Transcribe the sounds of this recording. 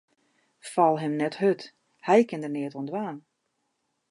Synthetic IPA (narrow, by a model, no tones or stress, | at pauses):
falˠɦɛmnɛthøt | hɛjkɪndərnɪətuəndʋaːn